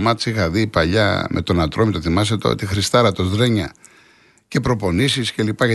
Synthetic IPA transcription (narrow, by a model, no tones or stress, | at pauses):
mɐt̪sixɐðipɐʎɐ̰mʔe̞̰t̪o̞nɐt̪ɾmit̪oθimɐs̬et̪oo̰t̪ixɾist̪ɐɾɐt̪o̞zðɾe̞ɲɐ | ce̞pɾo̞po̞nisisce̞lipɐʝɐ